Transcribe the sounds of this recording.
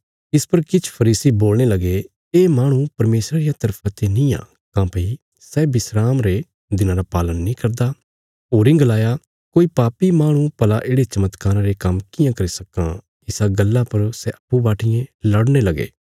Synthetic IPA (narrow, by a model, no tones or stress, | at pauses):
ɪspɐɾkɪt͡ʃʰpʰɐɾiːsiboːlñelɐɡe | eːmaːɽ̃ũpɐɾmeːsɾaɾijat̪ɐɾpʰat̪enĩã̰ː | kãːpɐi | sɛːbɪsɾaːmɾe | d̪ɪnãːɾapaːlənːĩkɐɾd̪a | oːɾɪ̃ŋɡlaːja | koːipaːpimaːɽ̃ũpɐlaʔeːɽet͡ʃɐmət̪kaːɾãɾekɐmkɪjãkɐɾisɐkːã | ɪsaɡɐlːapɐɾsɛʔɐpːubaːʈʰɪjẽlɐɽñelɐɡḛː